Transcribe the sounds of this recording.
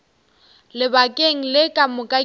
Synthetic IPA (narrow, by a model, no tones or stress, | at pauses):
lɪbakʼeŋ̩lɪkʼamʊkʼa